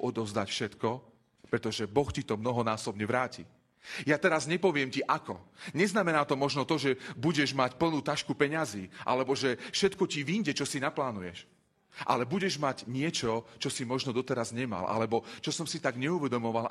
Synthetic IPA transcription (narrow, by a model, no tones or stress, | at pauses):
ɔd̪ɔzd̪acfʃɛt̪kɔ | pɾɛt̪ɔʒɛbɔxcit̪ɔmnɔɦɔnaːsɔbɲɛʋɾaːcḭ | jat̪ɛɾazɲɛpɔʋɪɛmciʔakɔɲɛznamɛnaːt̪ɔmɔʒnɔt̪ɔʒɛbuɟɛʒmacpl̩nuːt̪aʃkupɛɲaziːʔa̰lɛbɔʒɛfʃɛt̪kɔciʋiɲɟɛt͡ʃɔsinaplaːnujɛʃ | ʔa̰lɛbuɟɛʒmaɟɲɪɛt͡ʃɔt͡ʃɔsimɔʒnɔd̪ɔt̪ɛɾazɲɛma̰lʔa̰lɛbɔt͡ʃɔsɔmsit̪aɡɲɛuʋɛd̪ɔmɔʋal